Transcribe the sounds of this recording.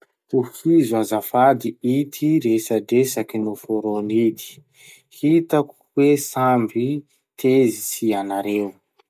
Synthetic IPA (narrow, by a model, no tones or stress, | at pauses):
t̪ufizuazafad̪iit̪ʰiɾesadesakinufoɾonid̪i̥ | hit̪aku̥wesambi | t̪ʰezisianaɾew